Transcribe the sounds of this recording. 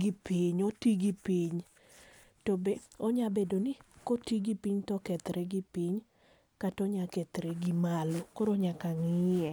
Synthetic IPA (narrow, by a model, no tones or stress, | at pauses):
ɡɪpiɲotiɡipiɲ | tobeoɲabedonɪkotiɡipiɲtɔkɛt̪ɾɛɡɪpiɲ | katɔɲakɛt̪ɾeɡimalokɔɾoɲakaŋɪɛ